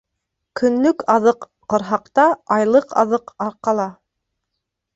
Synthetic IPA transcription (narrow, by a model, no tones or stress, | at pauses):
kɵ̆nlɵkɑðɤqːŏɾɦɑqt̪ɑɑjlˠɤqʰɑ̰ðɤqɑɾqɑlˠɑ